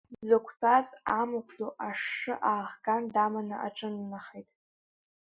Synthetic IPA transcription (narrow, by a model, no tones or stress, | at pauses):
zzakʷʰtʰazamɨχʷdoʔaʂːɨʔaːʁɡandamanɨ̰ʔa̰ʈ͡ʂʼɨnnaχejtʼ